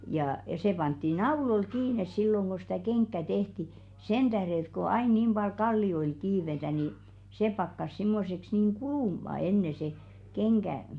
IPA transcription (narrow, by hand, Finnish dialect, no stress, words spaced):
jɑ̆ se pɑntːi nɑulol kiːnes silːoŋ ɡ̊o sĭtæˑ keŋkːæ tehti sen d̥æhre ĕt ko ɑin niːm b̥ɑl kɑlːioil kiːʋetæ ni se pɑkːɑs simːoseks niːŋ kuluˑmɑ enːe se keŋɡ̊æ